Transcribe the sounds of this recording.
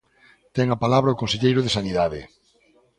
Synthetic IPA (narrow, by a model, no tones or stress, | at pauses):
t̪ɛŋapalaβɾɐokõnseʎejɾʊðesaniðaðɪ̰